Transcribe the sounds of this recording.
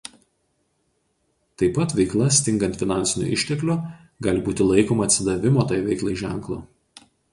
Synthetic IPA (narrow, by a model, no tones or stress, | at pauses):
t̪ɐɪpɐt̪ʋʲɛɪklˠɐsʲt̪ʲɪŋɡɐnt̪ʲfʲɪnɑˑnʲsʲɪnʲṵʔɪ̰ʃʲt̪ʲɛklʲu | ɡɑːlʲɪbuːt̪ʲɪlˠɐɪkoːmɐɐt̪ʲsʲɪd̪ɐʋʲɪmoːt̪ɑːjʋʲɛɪklˠɐɪʒʲæˑŋˑklˠo̰ː